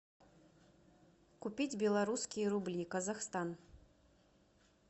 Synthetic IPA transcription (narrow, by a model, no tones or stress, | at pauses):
kupʲid͡zʲbʲɛlˠaɾuskʲijɐɾublʲikɐzaxst̪an